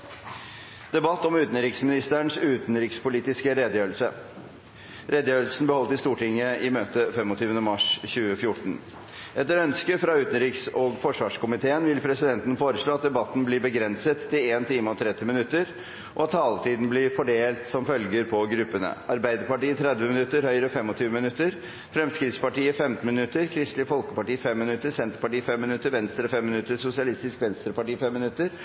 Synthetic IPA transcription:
d̪̥ɛbɑt̪ːɔmʉːt̪n̩ɾɪksmɪnɪst̪əɳsʉːt̪nɾɪːkspʊliːt̪ɪskəɾeːd̪əjøːlsə | ɾɛd̪əjøːl̩sn̩bəhɔlt̪ɪst̪uːʈɪŋːəɪmøːt̪əfɛmɔt̪ʰyːʋənəmɑʂçʉːəfjʊʈɳ̩ | ʔɛt̪ːəɾœnskəfɾɑʉːt̪ən̩ɾiːksɔɡfɔʂʋɑːʂkʊmɪt̪ʰeːənʋɪlpʰɾɛsɪd̪ɛnt̪n̩foːɾəʂɭoːɑt̪̚d̪ɛbɑt̪ːn̩bliːbəɡɾɛnsət̪ʰːɪleːnt̪ʰiːməɔt̪ʰɾɛt̪ːɪmɪnʉt̪ːəɾ | ʔɔɑt̪ʰːɑːlt̪ʰiːd̪n̩blɪɾfɔɖeːlt̪sɔmfœlɡəɾpʰɔɡɾʉpːənə̰ʔɑɾbæɪd̪əɾpɑʈiːət̪ʰɾɛd̪ʋəmɪnʉt̪ːəɾhœʏɾəɔfɛmːɔt̪ʰyːʋəmɪnʉt̪ːəɾ | fɾɛmskɾɪt̪spɑʈiːəfɛmt̪n̩mɪnʉt̪ːəɾkʰɾɪst̪lɪfɔlkəpɑʈiːfɛmːɪnʉt̪ːəsɛnt̪əɾpɑʈiːfɛmːɪnʉt̪ːəɾʋɛnst̪ɾəɔfɛmːɪnʉt̪ːəɾsʊsɪɑlɪst̪ɪskʋɛnst̪ɾəpɑʈiːfɛmːɪnʉt̪ːəɾ

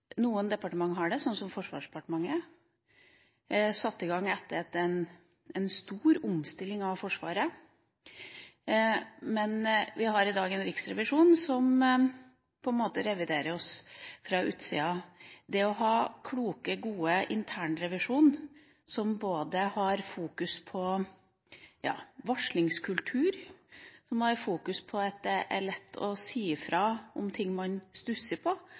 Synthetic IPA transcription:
nuːənd̪ɛpɑʈəmɑŋːɦɑɖɛsɔnːsɔmfɔʂʋɑ̰ːʂdɛpɑʈəmɑŋːə | sɑt̪ːɪɡɑŋːɛt̪ːəɾɛt̪ːɛn | ɛnst̪uːɾʊmst̪ɪlːɪŋɑʋfɔʂʋɑ̰ːɾə | mɛnʋɪɦɑɾɪd̪ɑːɡɛnɾɪksɾɛʋɪʂuːnsɔm | pʰɔɛnmoːt̪əɾɛʋɪd̪eːɾəɾɔsfɾɑʉ̰ːt̪sḭːɑd̪ɛɔɦɑːkʰluːkəɡuːəʔɪnt̪ʰæːɳɾɛʋɪʂuːn | sɔmboːd̪əhɑɾfuːkʉspʰɔ | jɑ̰ːʋɔʂlɪŋskʰʉlt̪ʰʉːɾsɔmhɑɾfuːkʉspʰɔɑt̪̚d̪ɛʔæ̰ɭɛt̪ʰːɔsiːfɾɑːʔɔmt̪ʰɪŋːmɑnst̪ʉsəpʰɔ

